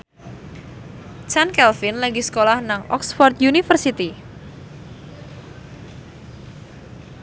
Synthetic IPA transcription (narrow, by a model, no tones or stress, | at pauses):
t͡ʃankɛlfinlaɡisə̥kolahnaŋɔ̰ksfɔrt̪̚junifərsit̪i